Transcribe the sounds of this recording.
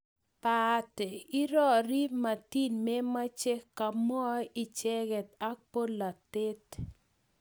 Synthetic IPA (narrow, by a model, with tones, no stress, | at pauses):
patɛ˨i˦ɾɔ˦˨ɾi˦ma˨ti˦nme˦ma˦t͡ʃɛ˦kːa˨mɔ˦i˨t͡ʃɛ˦ɡɛ˨ta˦k̚po˦la˨tɪ˦t